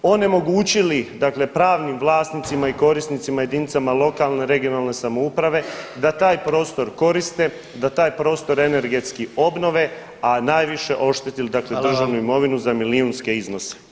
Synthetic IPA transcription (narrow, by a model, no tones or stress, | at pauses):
o̞ne̞mo̞ɡuːt͡ɕilid̪akle̞pɾaːʋnimʋlˠaːsnit̪simaiko̞ɾisnit̪simaje̞d̪init̪samalˠo̞kalˠne̞ɾe̞ɡijonalne̞samoupɾaʋe̞d̪at̪aːjpɾo̞ːst̪o̞ɾko̞ɾist̪e̞ | d̪at̪aːjpɾo̞ːst̪o̞ɾe̞ne̞ɾɡe̞t̪skio̞bno̞ʋe̞ | anaːjʋiʃe̞ʔo̞ʃt̪et̪ilid̪akled̪r̩ʒaʋnuimo̞ʋinuzamiliunske̞izno̞se̥